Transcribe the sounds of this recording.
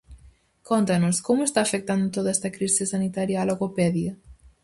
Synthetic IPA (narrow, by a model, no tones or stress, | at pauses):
kont̪anoskɔmest̪aːfek̚t̪and̪t̪oðaɛst̪akɾizisanit̪aɾjaloɣopɛðjɐ